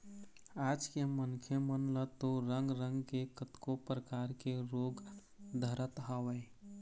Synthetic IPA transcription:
ad͡ʒkemənkʰjemənlət̪oɾəŋɡɾəŋɡkekət̪kopɾəkaɾkeɾoːɡ | d̪ʱəɾət̪ɦawəɪ

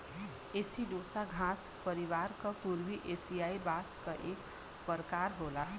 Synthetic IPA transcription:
esiɖosaɡʱãs | pʌɾibaɾkʌpuɾbiʔesijaibaskʌʔek | pʌɾkaɾɦola

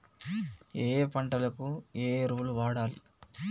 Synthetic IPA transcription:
eːpɐɳʈɐlɐkueːɾuːluʋaːɽaːlḭ

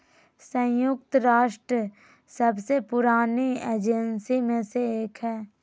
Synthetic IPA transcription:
sə̃jʊk̚t̪ɾaːʃʈɾə | səbsepʊɾaːnieːd͡ʒensimẽseeːkɦɛː

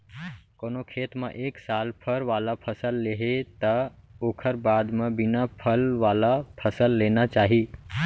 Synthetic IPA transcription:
koːnokʰeːt̪mḛ̃ʔeːksaːlpʰəɾʋaːlapʰəsəlːeɦet̪əoːkʰəɾbaːd̪mẽbɪnapʰəlʋaːlapʰəsəlːeːnat͡ʃaːɦi

